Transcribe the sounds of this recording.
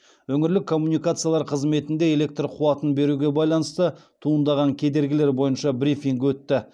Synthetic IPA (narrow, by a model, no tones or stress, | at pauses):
wɵŋɪɾlɪkʰːo̞mːunijkat̪sɨjaɑlˠɑɾqʰəzme̞t̪ɪnd̪e̞e̞le̞k̚t̪rqʰuɑt̪ənbe̞ɾuɡʲe̞bɑjlˠɑnəst̪ə | t̪ʰuənd̪ɑʁɑŋkʲʰe̞d̪e̞ɾɡʲɪle̞ɾbo̞jənʃɑbɾifiŋkwɵt̪ːɪ